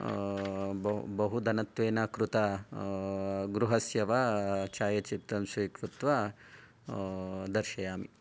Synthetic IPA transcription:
bbɐɦud̪ɐnɐt̪ʋeːnɐkɾut̪ɐ | ɡɾuɦɐsjɐʋat͡ʃaːjɐt͡ʃip̚t̪ɐmsʋiːkɾut̪ʋɐ | d̪ɐɾʃɐjaːmḭ

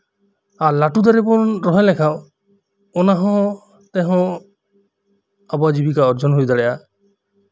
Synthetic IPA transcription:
alaʈud̪aɾepɔnɾɔɦẽlekʰaw | ɔnaɦɔ̃ | t̪eɦɔ̃ | abɔad͡ʒibikaɔɾd͡ʒɔnɦujd̪aɽɛʔa

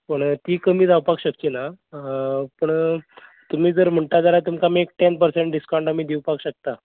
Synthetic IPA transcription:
pəɳt̪iːkəmiːd͡zawpakɕəkt͡ɕiːna | pəɳ | t̪um̤iːd͡zəɾm̤əɳt̪ad͡zalat̪umkamiek̚ʈenpəɾseɳʈ̚ɖiskãɳɖam̤iːd̪iwpakɕək̚t̪a

